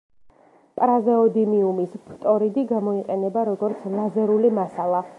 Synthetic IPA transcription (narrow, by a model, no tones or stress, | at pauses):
pʼɾazɛɔd̪imiumispʰt̪ʼɔɾid̪iɡamɔiqʼɛnɛbaɾɔɡɔɾt̪sʰlˠazɛɾulimasalˠa